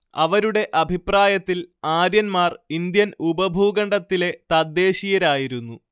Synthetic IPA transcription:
ɐ̰ʋɐɾuɽe̞ʔɐbʱipraːjɐt̪ːilaːɾjɐnmaːrind̪jɐnubɐbʱuːɡɐɳɖɐt̪ːile̞t̪ɐd̪ːe̞ːɕijɐɾaːjiɾunːu

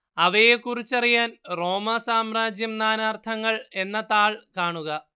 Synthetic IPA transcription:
ɐʋɐjekurit͡ɕːɐrijaːnro̞ːmɐsaːmraːd͡ʑjɐmnaːnaːrt̪ʰɐŋːɐɭe̞nːɐt̪aːɭkaːɳuɣɐ

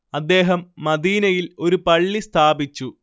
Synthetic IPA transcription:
ɐd̪ːe̞ːɦɐmːɐd̪iːnɐjilo̞ɾupɐɭːist̪ʰaːbit͡ɕːu

